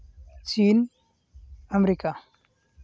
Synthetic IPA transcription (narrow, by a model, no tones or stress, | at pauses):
t͡ʃiːn | amɾika